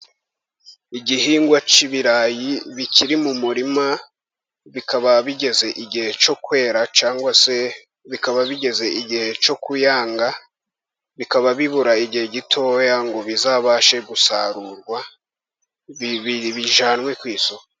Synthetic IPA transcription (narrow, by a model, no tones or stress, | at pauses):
iɟiɦiːŋɡwat͡ʃiβiɾaːjiβicʰiɾimumuɾima | βikaβaβiɟe̞ze̞ʔiɟihe̞t͡ʃo̞kwe̞ːɾat͡ʃaːŋɡwase̞ | βikaβaβiɟe̞ze̞iɟihe̞t͡ʃo̞kujaːŋɡa | βikaβaβiβuɾaiɟihe̞ɟitʰo̞jaŋɡo̞βizaːβaʃe̞ɡusa̰ɾuɾɡwa | βiiβiʒaːnwekwiːso